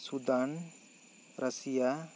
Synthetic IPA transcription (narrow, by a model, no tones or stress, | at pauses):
sud̪an | ɾʔɐsija